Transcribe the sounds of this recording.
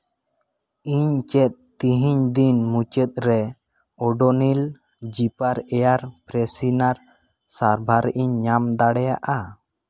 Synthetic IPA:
iɲt͡ʃɛt̪̚t̪iɦiɲd̪inmut͡ʃɛt̪̚ɾɛ | ɔɖɔnil | d͡ʒipaɾɛjaɾpɾɛsinaɾ | saɾbʱaɾʔiɲːamd̪aɽɛjaʔa

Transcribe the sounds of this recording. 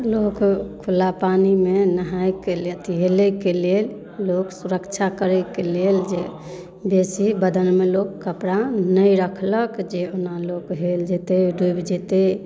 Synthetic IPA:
lokkʰulapanimenəɦajkelet̪iɦelɛkelel | loksuɾəkt͡ʃʰakəɾɛkeleld͡ʒe | besibəd̪ənmelokkːəpɾanəjɾəkʰləkd͡ʒeonalokɦeld͡ʒet̪eɖubd͡ʒet̪e

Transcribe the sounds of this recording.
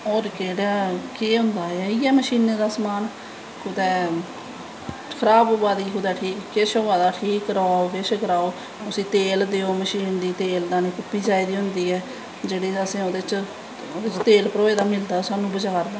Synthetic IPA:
ɔːɾkeːɽaːkeːɦʊ̃nd̪aːeɛiːɛːməʃiːneːd̪aːsmaːn | kʰʊd̪ɛː | kʰəɾaːboːbaːd̪iːkʰʊd̪ɛːʈʰiːkːeːʃoːʋaːd̪aːʈʰiːkɾaːokeʃkɾaːoː | ʊsĩːt̪eːld̪eːoːməʃiːnd̪iːt̪eːld̪aːneːkʊpːiːd͡ʒaːiːd̪iːɦʊnd̪iːɛː | d͡ʒeːɽeːəsẽːoːd̪eːt͡ʃ | oːd̪et͡ʃt̪eːlpəɾoːeːd̪aːmɪld̪aːsaːnũːbəd͡ʒaːɾd̪aː

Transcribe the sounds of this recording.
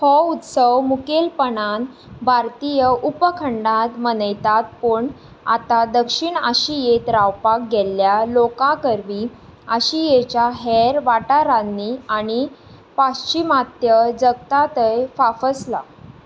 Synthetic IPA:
hɔut̪səwmukelpəɳan | bʱaɾt̪ijəʔupəkʰəɳɖat̪mənəjt̪at̪̚pəɳ | a̰t̪ad̪əkʂiɳəɕijet̪ɾawpak̚ɡeljalokakəɾʋi | əɕijet͡ɕjaɦeɾʋaʈaɾanːiaɽ̃i | past͡ɕimat̪jəd͡zəɡ̚t̪at̪əjfafəsla̰

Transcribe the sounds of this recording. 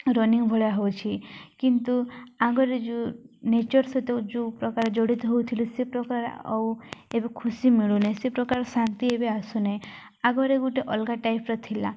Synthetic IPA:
ɾɔniŋɡbʱɔɭjaɦɔwt͡ʃʰikint̪uaɡɔɾed͡ʒunet͡ʃɔɾsɔt̪ed͡ʒupɾɔkaɾed͡ʒɔɽit̪uɦowt̪ʰilusepɾɔkaɾḛɔ̰webekʰusimiɭunesepɾɔkaɾsant̪iebeasunej | aɡɔɾeɡuʈeʔɔlɡaʈajpɾɔt̪ʰila

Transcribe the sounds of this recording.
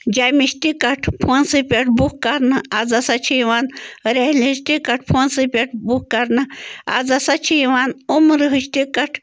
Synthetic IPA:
d͡ʒamiʃt̪ikɐʈʰpʰoːnsɨpʲeʈʰbukkɐɾnɨad͡zɐsɐt͡ʃʰiʋaːnɾehlʲiʃt̪ikɐʈ̚ʰpʰoːnsɨpʲeʈʰbukkɐɾnɨa̰d͡zɐsat͡ʃʰiiʋaːnumɾɨɦɨʃt̪ikɐʈʰ

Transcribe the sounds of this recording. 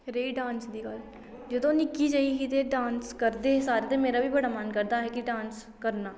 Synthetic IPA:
ɾeːiːɖãːnsd̪iːɡəl | d͡ʒɪd̪õːnɪkiːd͡ʒaːikit̪eːɖãːnskəɾd̪eːsaːɾet̪emeːɾaːbiːbəɽaːmankəɾd̪aːɦɛːkɪɖãːns | kəɾnaː

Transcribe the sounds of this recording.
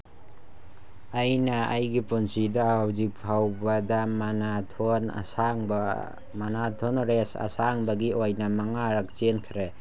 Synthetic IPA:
ajnɐajɡipunsidawzik̚pʰawbɐdamanatʰona̰saŋb | manatʰonɾesa̰saŋbɐɡiojnɐmaŋaɾɐk̚t͡ʃenkʰɾe

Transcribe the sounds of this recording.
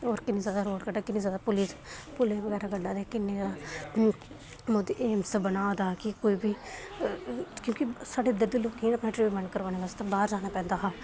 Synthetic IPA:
oːɾkɪniːzjaːd̪aːɾoːɽkəɖaːkɪnĩːzjaːd̪aːpʊliːspʊleʋəɡɛːɾaːɡəɖːaːd̪eːkɪnːeaːd̪aː | mʊd̪ʔeːmsəbənaːod̪aːkɪkoːiːbiː | kjõːkisaːɖeːd̪əd̪eloːknĩːəpnãːʈɾeːʋiməɳkəɾʋaːneʋaːst̪ebaːɾd͡ʒaːnaːpɛ̃ːnd̪aːɦaː

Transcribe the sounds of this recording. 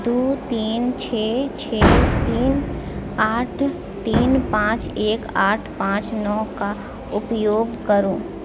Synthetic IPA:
d̪uːt̪iːnt͡ʃʰeːt͡ʃʰeːt̪iːn | aːʈʰ | t̪iːnpãːt͡ʃeːkaːʈʰpãːt͡ʃnɔːka | ʊpjoːɡkəɾũː

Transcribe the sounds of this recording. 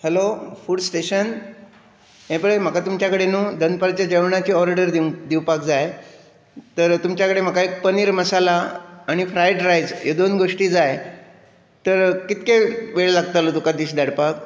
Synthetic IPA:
hɛlofuːɖsʈeɕən | ɦẽpəɭem̤əkat̪umt͡ɕjakəɽenuːd̪ənpaɾt͡ɕjad͡ʑeʋɳat͡ɕiːɔɾaɽəɾd̪id̪iwpakd͡zaj | t̪əɾt̪umt͡ɕjakəɽem̤əkaek̚pəniɾməsalaːɽ̃ifɾajɖɾajd͡zjed̪onɡoʂʈiːd͡zaj | t̪əɾkit̪keʋeɭlaɡt̪alot̪ukad̪iːɕd̪əɽpak

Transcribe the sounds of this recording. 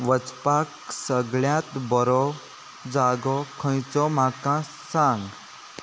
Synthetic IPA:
ʋət͡spaksəɡɭjãt̪bɔɾɔ | d͡zaːɡɔkʰə̃jt͡sɔmãkã | sãŋɡ

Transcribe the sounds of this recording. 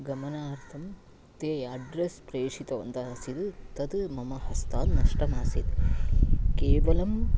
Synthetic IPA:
ɡɐmɐnaːɾt̪ʰɐm | t̪eːɐɖɾespɾeːʂit̪ɐʋɐ̰nt̪ɐsid̪t̪ɐd̪mɐmɐhɐst̪aːlnɐʂʈɐmaːsid̪ | keːʋɐlɐm

